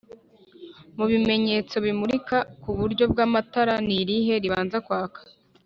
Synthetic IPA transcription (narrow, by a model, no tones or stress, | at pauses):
muβime̞ɲe̞ːt͡so̞βimuɾikakuβuɾɟo̞b̚ɡaːmataɾaniɾiɦe̞ɾiβaːnzakwaːkḁ